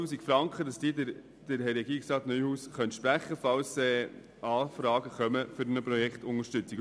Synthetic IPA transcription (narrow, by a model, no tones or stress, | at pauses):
uːsikfɾɑŋkχədɑsd̥iːdɪ | d̥ɪɾhɛɾɛɡiːɪksɑːt̪nœʏhuːsχœnt̪ʃpɾæχːəfɑwsɛː | ɑːfɾɑːɡəχœməfʏɾnəpɾɔjɛkχtʊŋəʃtʏt͡sik